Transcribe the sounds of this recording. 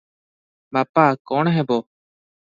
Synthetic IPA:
baːpaːkɔːɳɦɛ̃boː

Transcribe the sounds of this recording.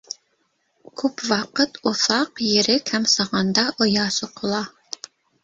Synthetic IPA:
kʲʰøpwɑqət̪uθɑqjeɾɪkʲʰɛmsɑʁɑnd̪ɑʔojɑːsoqʰolˠɑ

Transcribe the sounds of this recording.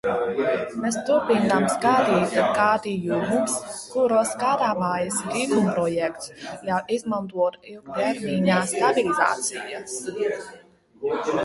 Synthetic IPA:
mest̪uɾpinamsɡad̪iːt̪ɡaːd̪ijumuskuɾoskaːd̪aːmaːjasɡivumpɾɔjɛkt̪sjawʔizmant̪uɔt̪ilˠɡt̪ɛɾmiɲaːst̪abiliza̰ːt̪sijas

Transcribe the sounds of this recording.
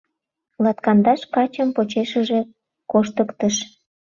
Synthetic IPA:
lɑt̪kɑnd̪ɑʃkɑt͡ɕəmpot͡ɕeʃəʒe | koʃt̪əkt̪əʃ

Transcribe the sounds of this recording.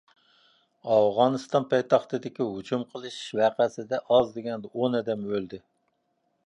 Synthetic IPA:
ɑfʁɑnɨst̪ɑnpʰɑjt̪ʰɑχt̪ɨd̪ɪkʲiɦʊt͡ʃʰumqʰəlˠɨʃɪ̥ʃvæqʰæsɪd̪ɛʔɑzd̪ɪɡʲɛnd̪ɛonɛd̪ɛmølˠd̪ɪ

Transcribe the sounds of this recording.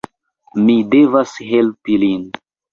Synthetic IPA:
mide̞vasɦe̞lpilin

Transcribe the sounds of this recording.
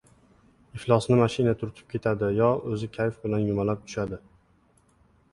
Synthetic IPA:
ɪflˠɒsnɪmaʃɪnat̪ʰʊɾt̪ʰɪ̥p̚kʲʰe̞t̪ʰad̪ɪjɒɵzɪkʲʰajfbɪlanjʊmalap̚t̪ʰʊ̥ʃad̪ɪ

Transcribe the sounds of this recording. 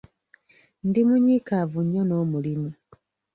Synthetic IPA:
ndimuɲikavuɲːono̞ːmulimu

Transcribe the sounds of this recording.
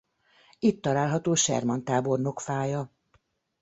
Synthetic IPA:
it̪ːɒlaːlɦɒt̪oːʃɛ̰rmɒnt̪aːbo̞rno̞kfaːjɒ

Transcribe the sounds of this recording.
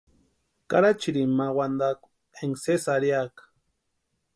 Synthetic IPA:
ka̰ɾat͡ʃiɾimawand̪ak | eŋsesaɾjakḁ

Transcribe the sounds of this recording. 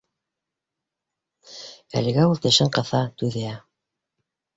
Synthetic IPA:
æ̰lɘ̆ɡæulˠt̪ɘ̆ʃɘɴqɤ̆θɑt̪ʉðɘæ

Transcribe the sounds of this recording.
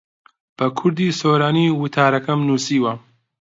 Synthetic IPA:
b̥ɐkʰʊɾd̪iːsoːɾaːniːwʊt̪ʰaːɾɐkɐmnuːsiːwɐ

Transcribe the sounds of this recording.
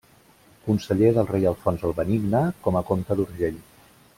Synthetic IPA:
kunsəʎeðəlˠrejəlˠfɔnzəlˠβəniɡnəkɔməkomt̪əðuɾʒeʎ

